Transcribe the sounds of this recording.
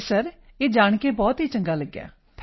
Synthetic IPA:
səɾeːd͡ʒaːɳkeːbɔːt̪ɦiːt͡ʃə̃ŋɡaːləɡːja̰ː | pʰ

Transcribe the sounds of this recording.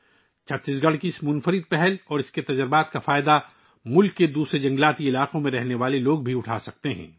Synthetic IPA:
t͡ʃʰɐt̪ːɪsɡɐɽkismʊnfəɾɪd̪̚pɛɦɛlɔːɾɪsket̪ɐd͡ʒəɾbaːt̪kafaːɪd̪a | mʊlkːed̪uːsɾed͡ʒɐ̃ŋɡlaːt̪iɪlaːqõmẽɾɛɦneʋaːleloːɡ̚bʱiʊʈʰaːsɐk̚t̪eɦɛ̰̃ː

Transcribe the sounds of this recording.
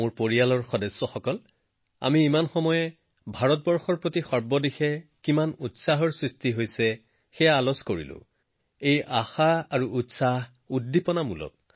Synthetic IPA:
mʊɹpoɹijalɔɹxɔdɛsːɔxɔkɔl | a̰miːmanxɔmɔjɛ | bʱaɹɔt̚bɔɹxɔɹpɹotixɔɹbɔdixɛkimanutsaɦɔɹsɹistiɦojsɛ | xɛjaalɔskoɹḭlʊ̰̃ | ejʔaxaaɹuːtsaɦ | uddipɔnamṵlɔ̰k̚

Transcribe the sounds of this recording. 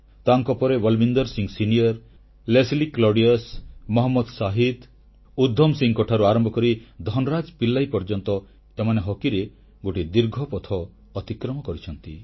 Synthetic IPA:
t̪aŋkɔpɔɾebɔlbind̪ɔɾsiŋsinijɔɾ | lesliklɔɾɖiasmɔɦɔmːɔd̪saɦit̪ | ud̪ʱːɔmsiŋkɔʈʰaɾuaɾɔmbʱɔkɔɾid̪ʱɔnɔɾad͡ʒpilːajpɔɾd͡ʒɔnt̪ɔ | semaneɦɔkiɾe | ɡoʈid̪iɾɡʱɔpɔt̪ʰɔː | t̪ikɾɔmɔkɔɾit͡ʃʰɔnt̪ḭ

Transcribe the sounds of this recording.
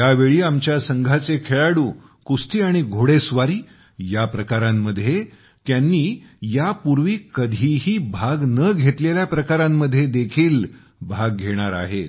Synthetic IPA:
jaʋeɭiːamt͡ɕjasəŋɡʱat͡sekʰeɭaɽuː | kust̪iːaɽ̃iɡʱoɽesʋaɾiː | japɾəkaɾamːəd̪ʱje | t̪janːiːjapuɾʋiːkəd̪ʱiːɦiːbʱaɡnəɡʱet̪leljapɾəkaɾamːəd̪ʱːjed̪ekʰiːl | bʱaɡ̚ːʱeɽ̃aɾa̰ɦe

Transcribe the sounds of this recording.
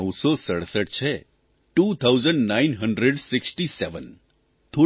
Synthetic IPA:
wsɔsəɽsəʈ̚t͡ʃʰɛ | ʈuːt̪ʰawzəɳɖnainɦəɳɖɾeɖsɪksʈisɛʋən | t̪ʰo

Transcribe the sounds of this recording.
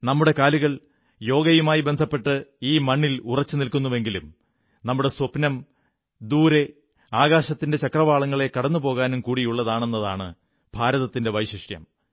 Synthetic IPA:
nɐmːuɽe̞kaːluɣɐɭ | jo̞ːɡɐjumaːjibe̞nd̪ʱɐpːe̞ʈːɨiːmɐɳːilurɐt͡ɕːɨnilkunːuʋe̞ŋɡilum | nɐmːuɽe̞swɐpnɐm | d̪uːɾe̞ | aːɣaːɕɐt̪ːinde̞t͡ɕɐkrɐʋaːɭɐŋːɐɭe̞kɐɽɐnːupo̞ːɣaːnumkuːɽijuɭːɐðaːɳe̞nːɐða̰ːɳɨ̰ | bʱaːɾɐðɐt̪ːinde̞ʋɐjɕiʂjɐ̰m

